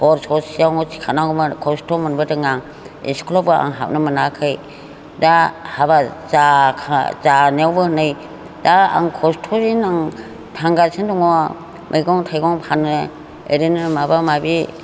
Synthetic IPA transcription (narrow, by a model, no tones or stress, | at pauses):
bɔɾsʰɔsijawŋɔsʰi̥kʰanaɡɔmakʰɔstʰɔmɯnbɯdɯŋaŋ | ḛskʰɔlɔpbɯa̰ŋɦa̰p̚nɯmanakʰɯj | dahabazakʰazanwbɯhɯnɯj | daa̰ŋkʰɔstʰɔzinaŋ | tʰaŋɡasʰendɔŋɔ | mʔejɡɔŋtʰajɡɔŋpʰanɯ | ḛɾinɯmabamabi